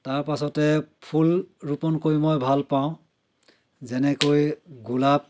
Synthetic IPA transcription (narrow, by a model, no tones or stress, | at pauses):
taɹpasɔtɛpʰulɹupɔnkoɹimɔjbʱalpaʊ̃ | zɛnɛkojɡulap̚